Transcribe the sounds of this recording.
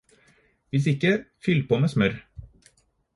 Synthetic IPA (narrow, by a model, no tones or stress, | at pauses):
ʋɪs̬ɪkəfʏlpʰoːmeːsmœɾ